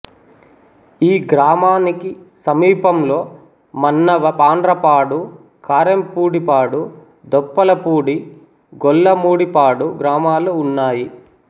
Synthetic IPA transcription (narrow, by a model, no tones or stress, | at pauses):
iːɡɾaːmaːnikisɐmiːpɐmlo̞ː | mɐnːɐʋɐpaːndɾɐpaːɽu | kʰaːɾempuːɽipaːɽu | d̪ɔpːɐlɐpuːɽi | ɡɔlːɐmuːɽipaːɽuɡɾaːmaːluːnːaːji